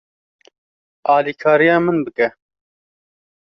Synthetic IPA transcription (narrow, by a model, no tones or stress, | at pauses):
ɑːliːkʰɑːɾijɑːmɨnbɨkɛ